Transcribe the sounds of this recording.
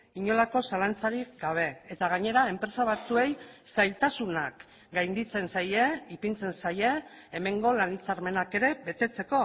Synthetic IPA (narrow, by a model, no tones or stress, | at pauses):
iɲo̞lako̞salant͡saɾikɡaβ̞e̞et̪aɣ̞aɲe̞ɾae̞mpɾe̞saβ̞at͡sue̞jsajlt̪asunak | ɡajnd̪it͡se̞nsajeipint͡se̞nsaje̞ːme̞ŋɡo̞lanit͡saɾme̞nake̞ɾe̞βe̞t̪e̞t͡se̞ko̞